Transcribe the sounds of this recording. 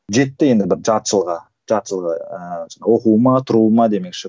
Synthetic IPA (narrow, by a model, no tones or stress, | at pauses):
ʒe̞t̪ːɪje̞nd̪ɪbɪɾʒɑt̪ʃəlˠʁɑ | ʒɑt̪ʃəlˠʁɑ̰əwo̞quwəmɑt̪ʰʊɾuəmɑd̪e̞me̞kʃɪ